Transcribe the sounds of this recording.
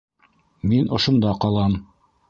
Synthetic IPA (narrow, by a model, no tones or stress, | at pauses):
minʔŏʃŏnd̪ɑqɑlˠɑm